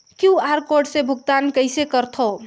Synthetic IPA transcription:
kiuaɾkoɾɖsẽbʱuɡ̚t̪ankəjsekəɾt̪ʰo

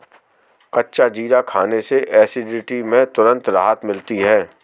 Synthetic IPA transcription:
kɐtːʃad͡ʒiːɾakʰaːneseʔɛːsɪɖɪʈimẽt̪ʊɾə̃nt̪ɾaːɦət̪mɪlt̪iɦɛː

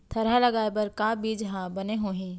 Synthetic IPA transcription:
t̪ʰɐɾalɐɡaːebɐɾkaːbiːd͡ʒɦãbɐneɦoɦĩː

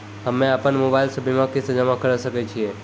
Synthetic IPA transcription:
ɦəmeapəɳmobajlsəbʱimãkisəd͡ʒamãkʰəɾəʃəket͡ʃʰie

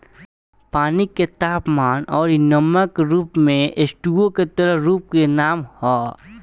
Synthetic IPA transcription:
paːniket̪aːpmaːnɔːɾnəməkɾuːpmẽʔɪsʈuɡõket̪əɾəɦɾuːp̚kenaːmhɔː

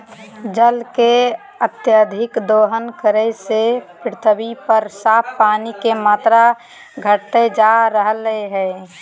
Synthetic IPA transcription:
d͡ʒəlke | ət̪jəd̪ʱɪkd̪oːɦənkəɾɛsepɾɪt̪ʰəbipəɾsaːpʰpaːnikemaːt̪ɾa | ɡʱəʈt̪ed͡ʒaɾəɦleɦɛ

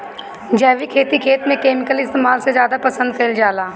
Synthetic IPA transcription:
d͡ʒɛːʋikʰeːt̪ikʰeːt̪mẽkeːmɪkəlɪst̪eːmaːlsezjaːd̪apɐsə̃nd̪̚kɐɪld͡ʒaːlaː

